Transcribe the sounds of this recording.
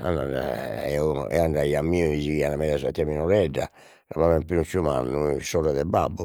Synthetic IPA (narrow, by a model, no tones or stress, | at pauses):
a̰nːana̰ɛɔɛ̰aɳdaiamːid͡ʒiianamɛðasat̪ːɛminɔɾɛɖːa̰ | ɾamamɛmpinut͡ʃuma̰nːusɔɾaðɛbabːu